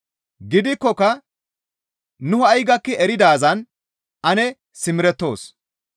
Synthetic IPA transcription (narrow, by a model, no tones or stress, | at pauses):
ɡɪd̪ɪkːɔkɐ | nʊhʊɐjɡɐkːɪɛɾɪd̪aːzɐn | ʔɐnɛ | sɪmɪɾɛt̪ːo̞ːs